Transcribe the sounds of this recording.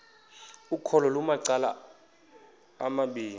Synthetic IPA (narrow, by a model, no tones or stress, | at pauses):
ukʰɔlɔlumaǀala̰ | maɓiːn